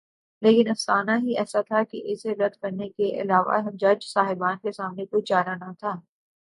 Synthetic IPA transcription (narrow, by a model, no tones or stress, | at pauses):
leːkɪnɐfsaːnaɦiɛːsat̪ʰakeʔɪseɾɐd̪kɐɾnekeʔɪ̰laːʋa̰ɦɐmd͡ʒɐd͡ʒsaːɦɪbaːnkesaːmnekod͡ʒaːɾanat̪ʰaː